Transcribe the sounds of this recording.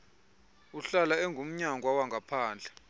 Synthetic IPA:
uɬalaɛŋɡʱum̩ɲaŋʱwawaŋɡʱapʰaːnd͡ɮʱḁ

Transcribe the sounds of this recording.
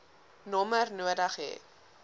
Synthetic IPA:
nɔmərnuədəχɛ̰ː

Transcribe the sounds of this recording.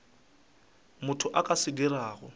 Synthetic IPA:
mʊtʰʊʔakʼasɪɡɪraːɣʊ̰

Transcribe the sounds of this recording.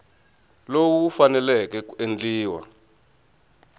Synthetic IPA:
lowuufanɛlɛkɛkend͡ɮiːwa̰

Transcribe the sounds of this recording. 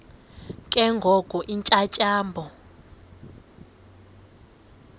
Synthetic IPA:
kʼɛŋɡʱɔkʼɔʔint͡ʃʼat͡ʃʼaːmbʱɔ

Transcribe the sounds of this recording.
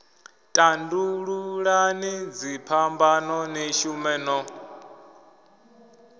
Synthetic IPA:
tʼanduɺuɺanid͡zipʰambanɔniʃumɛnɔ

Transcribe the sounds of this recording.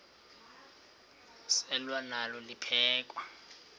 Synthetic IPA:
sɛlwanalɔlipʰɛːkʼwa

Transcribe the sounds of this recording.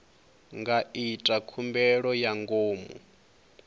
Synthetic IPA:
ŋɡaitʼakʰumbɛɺɔjaŋɡoːmṵ

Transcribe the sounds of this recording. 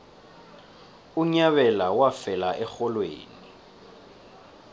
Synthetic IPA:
uɲaβɛlawafɛlaʔɛxɔlwḛːni

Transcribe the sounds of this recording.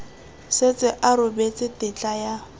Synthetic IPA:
set͡sʼɪʔaɾʊbet͡sʼɪtɪt͡ɬʼaja

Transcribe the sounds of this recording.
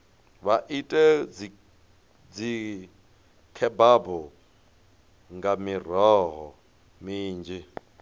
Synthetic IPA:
βaʔitʼɛd͡z | d͡zi | kʰɛbabɔ | ŋɡamir̤ɔɦɔ̰ | miːnd͡ʒi

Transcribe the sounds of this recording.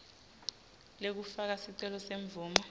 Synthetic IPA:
lek̬ufak̬asiǀɛlɔseɱb̪vuːmɔ

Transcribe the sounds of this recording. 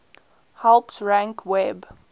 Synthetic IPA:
hɛlpsɹæ̃ŋkʰwɛb

